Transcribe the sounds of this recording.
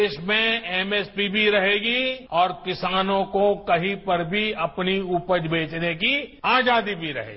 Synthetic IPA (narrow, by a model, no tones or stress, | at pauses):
eːʃmẽɛmespibʱiɾɐɦeːɡiɔːɾkɪsaːnõkokɐɦĩpɐɾbʱiɐpniupəd͡ʒbʱeːt͡ʃnekiaːd͡ʒaːd̪ibʱiɾɐ̰ɦḛːɡ